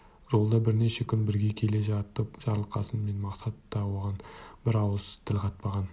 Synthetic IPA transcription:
ʒolˠd̪ɑbɪɾne̞ʃe̞kʲʰʏnbɪɾɡʲe̞kʲʰe̞le̞ʒɑt̪əpʒ̥ɑɾlˠəqɑsənme̞nmɑqsɑt̪ːɑwo̞ʁɑnbɪɾɑwəzt̪ʰːɪlqʰɑt̪̚pɑʁɑn

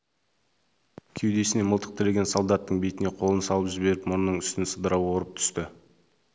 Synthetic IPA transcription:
kʲʰewd̪e̞sɪne̞məlˠt̪ə̥qt̪ʰəɾeɡʲe̞nsolˠd̪ɑt̪ːəɴbe̞jt̪ɪne̞qʰo̞lˠənsɑlˠəpʒɪbe̞ɾɪpmʊnnəɴʏst̪ɪnsəd̪əɾɑwwo̞ɾəp̚t̪ʰʏ̥st̪ɪ

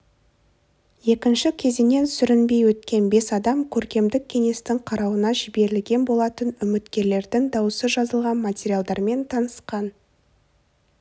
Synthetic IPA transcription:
je̞kʲɪnʃɪkʲʰe̞zene̞nsʏɾɪnbe̞jwɵt̪̚kʲe̞nbe̞sɑd̪ɑmkʲʰɵɾkʲe̞md̪ɪk̚ʲʰːe̞ŋe̞st̪ɪŋqʰɑɾɑwənɑʒɪbe̞ɾɪlɡʲe̞nbo̞lˠɑt̪ənʏmɪt̪kʲe̞ɾle̞ɾd̪ɪŋd̪ɑwəsəzʒɑzəlˠʁɑnmatʲeɾʲijalˠd̪ɑɾme̞nt̪ʰɑnəsqɑn

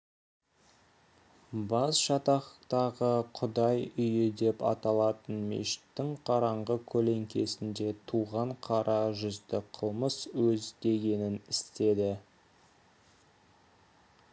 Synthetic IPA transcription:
bɑsʃɑt̪ɑχəqt̪ɑʁəqʰʊd̪ɑjʏjɪd̪e̞pɑ̰t̪ɑlˠɑt̪ənmḛʃɪ̥t̪ːɪŋqʰɑɾɑɴʁəkʲʰɵle̞ŋkʲʰe̞sɪnd̪e̞t̪ʰuʁɑɴqʰɑɾʔɑʒʏzd̪ɪqʰəlˠməswɵzd̪e̞ɡʲe̞nɪnɪst̪e̞d̪ɪ

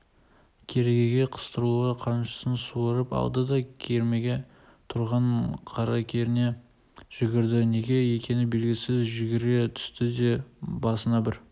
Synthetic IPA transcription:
kʲʰe̞ɾe̞ɡʲeɡʲe̞qʰə̥st̪əɾuəqʰɑnʃə̥sənsuəɾəpɑ̰lˠd̪əd̪ɑkʲʰeɾme̞ɡʲe̞ | t̪ʰʊɾʁɑɴqʰɑɾɑkʲʰe̞ɾɪne̞ | ʒ̥ʏɡʲɪɾd̪ɪne̞ɡʲe̞e̞kʲe̞nɪbe̞lɡʲɪsɪzʒʏɡʲɪɾe̞t̪ʰʏ̥st̪ɪd̪e̞bɑsənɑbɪɾ

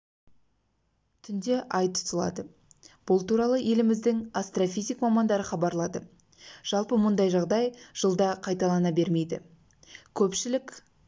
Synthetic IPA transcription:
t̪ʰʏnd̪e̞ʔɑjt̪ʰʊ̥t̪əlˠɑ̰d̪ə | b̥ʊlˠt̪ʰuɾɑlˠəʔe̞lɪmɪzd̪ɪŋast̪rofʲijzikmɑmɑnd̪ɑɾəχɑbɑɾlˠɑd̪ə | ʒ̥ɑlˠpəmʊnd̪ɑjʒɑʁd̪ɑjʒ̥əlˠd̪ɑqʰɑjt̪ɑlˠɑnɑbe̞ɾme̞jd̪ɪ̰ | kʲʰɵpʃɪlɪkʲ

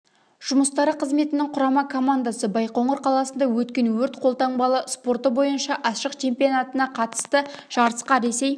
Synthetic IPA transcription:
ʒ̥ʊməst̪ɑɾəqʰəzme̞t̪ɪnɪŋqʰʊɾɑmɑkʰo̞mand̪asəbɑjqoɴəɾqʰɑlˠɑsənd̪ɑwɵt̪kʲe̞nwɵɾt̪qʰo̞lˠt̪ɑɴbɑlˠəspo̞rt̪əbo̞jənʃɑʔɑʃəqt͡ʃʰe̞mpijonat̪ənɑqʰɑt̪ə̥st̪əʒ̥ɑɾəsqɑɾe̞se̞j

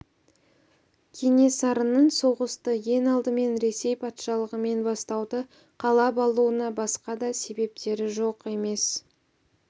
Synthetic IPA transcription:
kʲʰe̞ne̞sɑɾənəɴso̞ʁəst̪əje̞nɑlˠd̪əme̞nɾe̞se̞jpʰɑt̪ʃɑlˠəʁəme̞nbɑst̪ɑwd̪ə | qʰɑlˠɑpɑlˠuənɑbɑsqɑd̪ɑse̞be̞p̚t̪e̞ɾɪʒo̞qe̞me̞s

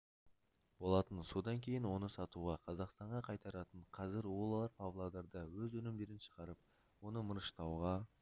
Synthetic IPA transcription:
bo̞lˠɑt̪ənso̞d̪ɑŋkʲʰe̞jɪnwo̞nəsɑt̪uʁɑqʰɑzɑqst̪ɑɴʁɑqʰɑjt̪ɑɾɑt̪əɴqʰɑzɪɾwolˠɑɑɾpʰɑvlˠad̪ɑɾd̪əwɵzɵnɪmd̪e̞ɾɪnʃə̥ʁɑɾəp̚ | wo̞nəməɾəʃt̪ɑwʁɑ

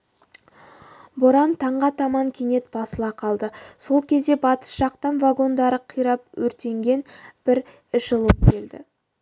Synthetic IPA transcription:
boɾɑnt̪ʰɑɴʁɑt̪ʰɑmɑŋkʲʰene̞t̪b̥ɑsəlˠɑqʰɑlˠd̪əso̞lˠkʲʰe̞zd̪e̞bɑt̪ə̥sʒɑqt̪ɑnvaɡo̞nd̪ɑɾəqʰijɾɑp̚wɵɾt̪e̞ŋɡʲe̞nb̥ɪɾ | ɪʃəlˠəp̚kʲʰe̞ld̪ɪ̰

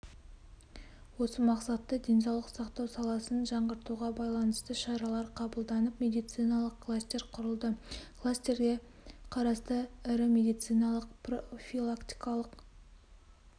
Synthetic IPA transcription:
wo̞səmɑqsɑt̪ːəd̪ʲe̞ns̬ɑwlˠəqsɑqt̪ɑwsɑlˠɑsənʒɑɴʁəɾt̪uʁɑbɑjlˠɑnəst̪əʃɑɾɑlˠɑɾqʰɑbəlˠd̪ɑnəpmʲe̞d̪ijt̪sɨjnɑlˠəqkʰlˠast̪ʲe̞ɾqʰʊɾəlˠd̪əkʰlˠasʲt̪e̞ɾɡʲe̞ | qʰɑɾɑst̪əɪɾɪmʲe̞d̪ijt̪sɨjnɑlˠəqprofilˠakt̪i̥jkɑlˠəq

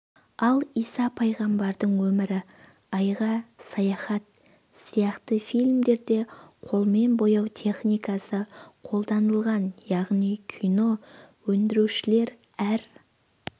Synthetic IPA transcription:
ɑlˠijsɑpʰɑjʁɑmbɑɾd̪əɴwɵmɪɾɪ | ɑjʁɑsɑjɑχɑt̪̚ | sijɑqt̪əfijlʲmd̪e̞ɾd̪e̞qʰo̞lˠme̞nbo̞jɑwt̪ʲʰe̞χnijkɑsəqʰo̞lˠd̪ɑnəlˠʁɑnjɑʁnijkʲʰino̞wɵnd̪ɪɾuʃɪle̞ɾ | æɾ

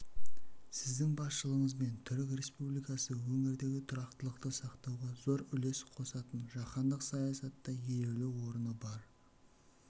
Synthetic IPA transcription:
sɪzd̪ɪŋbɑsʃəlˠəɴəzbe̞nt̪ʰʏɾɪkɾʲe̞spublˠijkɑsəwɵŋɪɾd̪e̞ɡʲɪt̪ʰʊɾɑqt̪əlˠəqt̪əsɑqt̪ɑwʁɑzo̞ɾʏle̞sqʰo̞sɑt̪ənʒɑqɑnd̪əqsɑjɑsɑt̪ːɑjeɾelewwo̞ɾənəbɑɾ

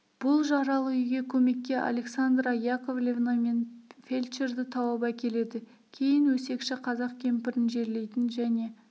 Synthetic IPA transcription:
b̥ʊlˠʒɑɾɑlˠəʏjɡʲe̞kʲʰɵme̞kʲːe̞ʔa̰lʲe̞ksand̪ɾajako̞vlʲevname̞nfʲe̞lʲt͡ʃeɾd̪ɪt̪ʰɑwɑbækʲʰe̞le̞d̪ɪ | kʲʰe̞jɪnwɵse̞kʃɪqʰɑzɑqkʲʰe̞mpɪɾɪnʒe̞ɾle̞jt̪ɪnʒæne̞

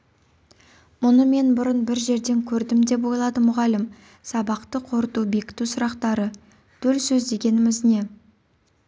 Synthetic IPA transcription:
mʊnəme̞nbʊɾənbɪɾʒe̞ɾd̪e̞ŋkʲʰɵɾd̪ɪmd̪e̞p̬wo̞jlˠɑd̪əmʊʁɑlɪm | sɑbɑqt̪əqʰo̞ɾət̪ube̞kʲɪ̥t̪usʊɾɑqt̪ɑɾə | t̪ʰɵlsɵzd̪e̞ɡʲe̞nɪmɪzne̞

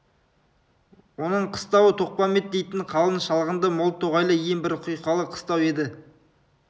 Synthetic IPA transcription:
wo̞nəɴqʰə̥st̪ɑwət̪ʰo̞q̚pɑmet̪̚d̪e̞jt̪ɪɴqʰɑlˠənʃɑlˠʁənd̪əmʊlˠt̪ʰːoʁɑjlˠəjembɪɾqʰʊjqɑlˠəqʰə̥st̪ɑwe̞d̪ɪ

